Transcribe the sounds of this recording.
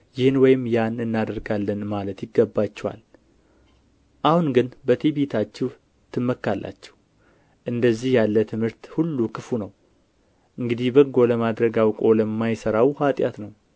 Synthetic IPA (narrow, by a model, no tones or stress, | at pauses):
jɪhɨnwɔjɪmjanɨnːad̪əɾɡalːənmalət̪jɪɡːəbːat͡ʃːɛwa̰l | ʔahunɡɨnbət̪ʰebet̪ʰat͡ʃːɛw | t̪ʰɨmːəkːalːʔa̰t͡ʃːɛ̥h | ʔɨnd̪əzːihjalːət̪ʰɨmhɨɾt̪hulːukʰɨfunəw | ʔɨŋɡɨd̪ihbəɡːo̞ləmad̪ɾəɡawkʼo̞ləmːajsəɾawhat̪ʼjat̪nəw